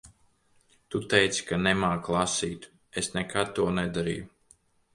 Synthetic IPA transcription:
t̪ut̪ɛjt̪si̥kanɛmaːklˠasiːt̪ | esnɛkʰad̪̚t̪ːuɔnɛd̪aɾḭːju

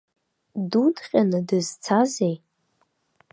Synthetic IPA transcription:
dudχʲʼanɨdɨzt͡sʰazej

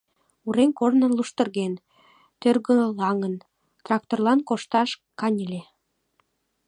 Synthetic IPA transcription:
uɾenkornə̆nluʃt̪ɤ̆rɣen | t̪ørɣø̆lɑŋən | t̪rɑk̚t̪orlɑnkoʃt̪ɑʃkɑnʲilʲe

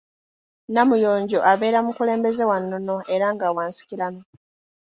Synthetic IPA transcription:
namujoːɲɟo̞ʔaβe̞ːɾamukule̞ːmbe̞ze̞wanːono̞eɾaŋɡawaːnsi̥ciɾano

